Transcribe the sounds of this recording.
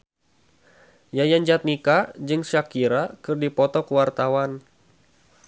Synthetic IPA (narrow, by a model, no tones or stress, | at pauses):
jajaɲd͡ʒat̪̚nikad͡ʒɨŋsakiɾakɨrdipɔt̪ɔkəwart̪awan